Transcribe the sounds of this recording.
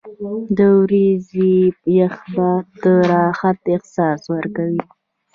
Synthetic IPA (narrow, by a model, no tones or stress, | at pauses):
d̪əwɾizijaxbad̪əɾɑxat̪ɪhsɑswəɾkawi